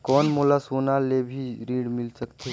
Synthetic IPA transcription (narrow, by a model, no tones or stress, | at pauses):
kɔːnmoːlasoːnalebʱiɾiːɽmɪlsəkt̪e